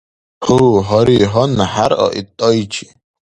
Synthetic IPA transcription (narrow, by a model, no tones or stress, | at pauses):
huːɦɔɾiɦɔnħaɾɔ̰ʔit̪ʼːɔjt͡ʃʰi̥